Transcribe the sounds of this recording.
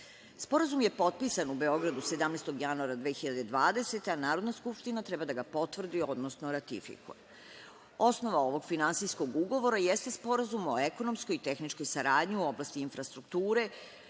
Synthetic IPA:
spo̞ɾazumje̞po̞t̪̚pisanube̞o̞ɡɾad̪use̞d̪amnejst̪o̞ɡjanuaɾad̪ʋeːxiʎad̪e̞d̪ʋaːd̪e̞se̞t̪eanaːɾod̪naskupʃt̪inat̪ɾɛbad̪aɡapo̞t̪vr̩d̪io̞d̪nosno̞ɾat̪ḭfḭkṵje | o̞sno̞ʋao̞ʋo̞ɡfinansijsko̞ɡuɡo̞ʋo̞ɾajest̪e̞spo̞ɾazumo̞e̞ko̞no̞msko̞jit̪e̞xnit͡ʃko̞jsaɾaːd̪ɲiuo̞blast̪iinfɾast̪ɾukt̪uːɾe̞

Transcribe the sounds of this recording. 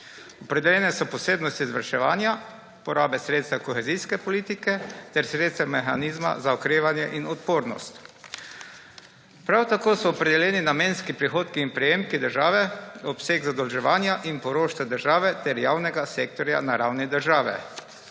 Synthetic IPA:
ɔpɾɛd̪ɛljɛːnɛsɔpɔseːbnɔst̪izʋaɾʃɛʋaːnja | pɔɾaːbɛsɾeːt̪st̪akɔxɛzijskɛpɔliːt̪ikɛt̪ɛɾsɾeːt̪st̪ɛmɛxa̰niːzma̰zaɔkɾeːʋanjɛʔinɔt̪̚poːɾnɔ̰st̪ | pɾawt̪akoːsɔːpɾɛd̪ɛljɛːninameːnskipɾixoːt̪kiːnpɾɛjeːmkid̪əɾʒaːʋɛɔpseɡzad̪ɔlʒɛʋaːnjaʔinpɔɾoːʃt̪ɛd̪əɾʒaːʋɛt̪ɛɾjaːwnɛɡasek̚t̪ɔɾja̰naɾawnid̪əɾʒaːʋɛ̰

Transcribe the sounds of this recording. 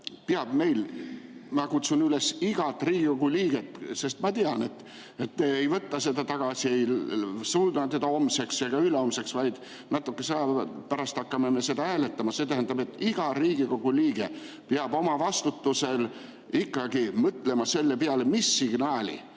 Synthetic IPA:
peɑb̥̚me̞jl | mɑkut̪sunyle̞siɡ̥ɑt̪ːriːɡ̥iko̞ɡuliːɡ̥e̞t̪ːse̞st̪mɑt̪iɑne̞t̪ː | et̪meejvɤt̪ːɑse̞d̪ɑt̪ɑɡ̥ɑsie̞jsuld̪ɑt̪ed̪ɑo̞mse̞ksjɑɡ̥ɑyleo̞mse̞ksvɑjd̪̥ | nɑt̪ːˑukːe̞seɑpæɾɑst̪ɑkːɑmeme̞se̞d̪ɑæːle̞t̪ːɑmɑse̞t̪æɦænd̪ɑbe̞t̪ːˑiɡ̥ɑriːɡiko̞ɡ̥uliːɡ̥e̞ | peɑbo̞mɑvɑst̪ut̪ːuse̞l | ikːˑɑɡimɤt̪ːˑle̞mɑse̞lːepeɑlemisːiɡ̥nɑːlʲḭ

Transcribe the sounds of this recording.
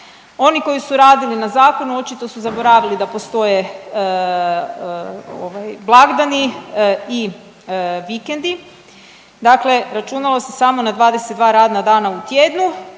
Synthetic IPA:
o̞niko̞jisuɾaːd̪ilinazaːko̞nuo̞t͡ʃit̪osuzabo̞ɾaʋilid̪apo̞st̪o̞je | o̰ʋajblˠaɡd̪ani | i | ʋikend̪i | d̪akle̞ɾat͡ʃunalˠo̞se̥samo̞nad̪ʋaːd̪eset̪d̪ʋaːɾaːd̪nad̪aːnaut̪jed̪nu

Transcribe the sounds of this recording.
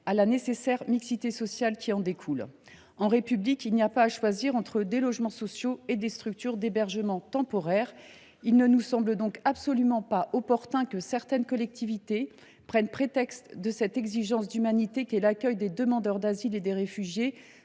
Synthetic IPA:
alanesesɛʁmiksit̪esɔsjalkʲiɑ̃d̪ekʰul | ɑ̃ʁepyblikʲilnijapaːʃwaziʁɑ̃t̪χəd̪elɔʒmɑ̃sɔsjoed̪est̪χyk̚t̪yʁd̪ebɛʁʒəmɑ̃t̪ɑ̃pɔʁɛʁ | ilnənusɑ̃bləd̪ɔ̃kabsɔlymɑ̃paʔɔpɔʁt̪ɛ̃kəsɛʁt̪ɛnkɔlɛk̚t̪ʰivit̪e | pχɛnpχet̪ɛkst̪d̪əsɛt̪ɛɡziʒɑ̃sd̪ymanit̪ekʲiɛlakʲœjd̪ed̪əmɑ̃d̪œʁd̪aziled̪eʁefyʒje

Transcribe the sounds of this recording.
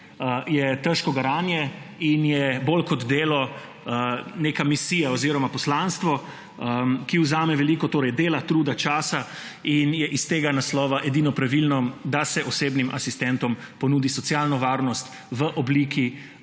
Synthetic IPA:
jɛt̪əʃkɔɡaɾaːnjɛinjɛbolkɔd̪d̪eːlɔ | nekamisiːjaɔziːɾɔmapɔslanst̪ʋɔ | kiuzaːmɛʋɛliːkɔt̪oːɾɛjd̪eːlat̪ɾuːd̪at͡ʃaːsa | injɛʔist̪eːɡanaslɔːʋaʔed̪inɔpɾaʋilnɔd̪asɛʔɔseːbnimʔasist̪ɛnt̪ɔmpɔnuːd̪isɔt̪sjalnɔʋaːɾnɔst̪ | ʋəʔɔbliːkʰi

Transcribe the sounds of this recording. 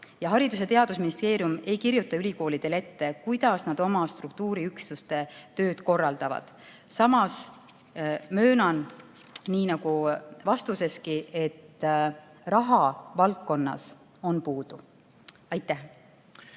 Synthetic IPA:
jɑɦɑɾid̪use̞t̪eɑd̪̥usminist̪e̞ːɾijume̞jkiɾjut̪ːˑɑylʲiko̞ːlid̪̥e̞le̞t̪ːe̞kujd̪̥ɑsnɑd̪̥o̞mɑst̪ruk̚t̪uːɾiykslust̪e̞t̪ø̞ːd̪̥ko̞rːɑld̪̥ɑvɑ̰d̪̥ | sɑmɑs | mø̞ːnɑn | niːnɑɡ̥uvɑst̪use̞skiʔe̞t̪ː | rɑɦɑvɑlkːo̞nːɑ̰s | o̞npuːd̪̥u | ɑjt̪ːˑæh

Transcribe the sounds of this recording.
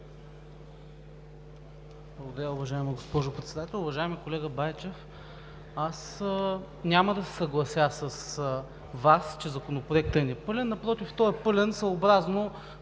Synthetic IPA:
blˠɐɡod̪ɐɾʲaʊvɐʒaɛmiɡospɔʒʊpɾɛt̪sɛd̪at̪ɛlˠʊvɐʒaɛmikolɛɡəbajt͡ʃɛf | as | nʲaməd̪ɐsɛ̥sɐɡlˠɐsʲjasɐs | vast͡ʃɛzɐkonopɾoɛk̚t̪əniɛpɤlʲɛnːɐpɾɔt̪ift̪ɔɛpɤlʲɛnsɐːbɾazno

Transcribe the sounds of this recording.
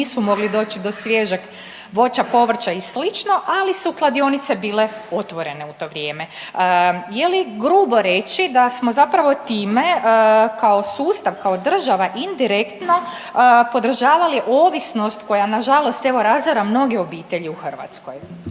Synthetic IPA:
iːsumo̞ɡlid̪o̞ːt͡ɕid̪o̞sʋjeʒak | ʋo̞t͡ʃapo̞ʋr̩t͡ʃaislit͡ʃno̞ʔalisuklˠad̪io̞nit̪sebiːle̞o̞t̪ʋo̞ɾe̞ne̞ut̪o̞ːʋɾʲje̞ːme̞ | jeliɡɾuːbo̞ɾe̞t͡ʃid̪asmo̞zapɾaʋo̞t̪iːme̞kao̞suːst̪aʋkao̞d̪r̩ʒaʋaʔind̪iɾekt̪no̞ | po̞d̪r̩ʒaːʋaliʔo̞ːʋisno̞st̪ko̞janaʒalo̞st̪e̞ʋo̞ɾazaɾamno̞ɡeobiːt̪e̞ʎiuxr̩ʋa̰t̪sko̰j

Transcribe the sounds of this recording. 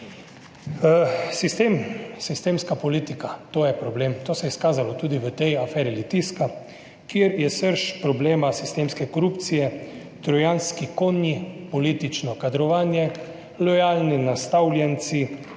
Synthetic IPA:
sist̪emsist̪emskapɔliːt̪ikat̪oːjɛpɾɔbleːmt̪oːsɛjɛskaːzalɔt̪uːd̪iʋət̪ɛjafɛːɾilit̪iska | kjieɾjɛsəɾʃpɾɔbleːmasist̪eːmskɛkɔɾupt̪sijɛ | t̪ɾɔjanskikoːnjipɔlit̪it͡ʃnɔkad̪ɾɔʋaːnjɛ | lɔjaːlninast̪awlʲjɛnt̪si

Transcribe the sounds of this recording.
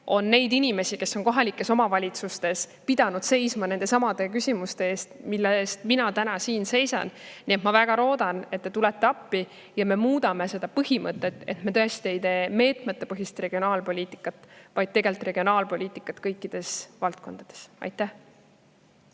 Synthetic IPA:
o̞nːe̞jd̪inʲime̞sike̞sːo̞nko̞ɦɑlikːˑe̞so̞mɑvɑlʲit̪sust̪e̞spid̪ɑnud̪̥se̞jsmɑne̞nd̪e̞sɑmɑd̪̥e̞kysʲimust̪e̞eːst̪milːest̪minɑt̪ænɑsiːnse̞jsɑ̰nniet̪mɑvæɡ̥ɑɾo̞ːd̪ɑne̞t̪ːet̪ulet̪ːeɑpːi | jɑme̞muːd̪ɑme̞se̞d̪ɑpɤhimɤt̪ˑːe̞t̪ːe̞t̪me̞t̪ɤ̞e̞st̪ie̞jt̪e̞ːme̞ːt̪me̞t̪ːˑe̞pɤɦist̪re̞ɡ̥io̞nɑːlpo̞lʲiːt̪ˑi̥kːˑɑt̪vɑjd̥̪̚t̪e̞ɡe̞lt̪ˑre̞ɡ̥io̞nɑːlpo̞lʲiːt̪ːˑikːˑɑt̪kɤjkˑːid̪̥e̞svɑlt̪̚ko̞nd̪̥ɑd̪̥e̞̥sɑ̰jt̪ːˑæh

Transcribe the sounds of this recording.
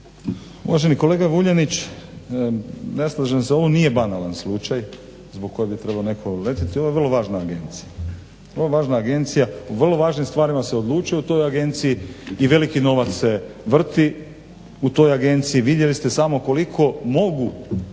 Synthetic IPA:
ṵʋaʒe̞niko̞le̞ːɡaʋuʎanit͡ɕ | neslˠaʒemseo̞ʋoniːje̞banalanslˠut͡ʃaj | zboɡ̚kːo̞jebit̪ɾe̞baone̞kʰole̞t̪it̪ioojerlˠo̞ʋaːʒnaːɡe̞nt̪sija | ərloʋaːʒnaːɡe̞nt̪sijauʋr̩lˠo̞ʋaːʒnimst̪ʋaːɾimaseod̪lˠuːt͡ʃujeut̪o̞jaɡe̞nt̪sijiiʋe̞likino̞ʋat̪sse̞ʋr̩t̪i | ut̪o̞jaɡe̞nt̪siiʋid̪jelist̪e̞samo̞ko̞likʰo̞mo̞ɡu

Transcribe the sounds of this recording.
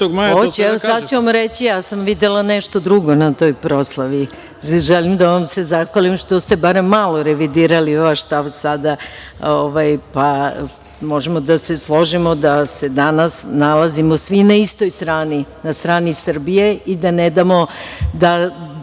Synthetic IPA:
t̪oɡaot͡ɕɛʋosad̪t͡ɕuʋamɾet͡ɕijaːsamʋid̪elaneʃt̪o̞d̪ɾuɡo̞nat̪o̞jpɾo̞slˠaʋi | ʒelimd̪aʋamse̞zaxʋalimʃt̪ost̪ebaɾemːalˠoɾeʋid̪iːɾaliʋaʃst̪aʋsad̪a | oʋajpa | mo̞ʒemod̪aseslˠo̞ʒimo̞d̪ase̞d̪anasnalazimosʋinaist̪o̞jst̪ɾaːninast̪ɾaːnisr̩bije̞id̪aned̪amo̞d̪a

